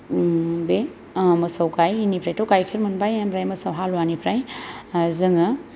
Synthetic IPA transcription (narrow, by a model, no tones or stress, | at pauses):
be | mɐsawkajinipʰɾajtowkajkʰiɾmɐnbajabɾajmɐsawɦalwanipʰɾaj | zɯŋɐ